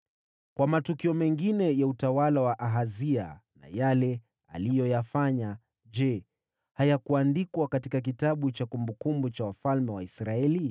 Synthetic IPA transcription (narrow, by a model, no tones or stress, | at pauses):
kwamatukiɔmɛŋɡinɛjautawalawaʔaɦazia̰na̰jalɛ | a̰lijɔjafaɲa | d͡ʒɛ | hajakuandikwakatikak̬itaɓut͡ʃakumbukumbut͡ʃawafalmɛwaisɾaɛli